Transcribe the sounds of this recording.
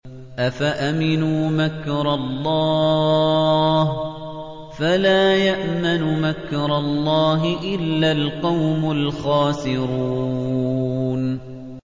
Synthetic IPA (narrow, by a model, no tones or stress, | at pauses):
ʔafaʔamɪnuːmakɾˤɑlˤːɑː | h | falaːjaʔmanʊmakɾˤɑlˤːɑːɦɪʔɪlːalqɑwmʊlxɑːsɪɾuuː | n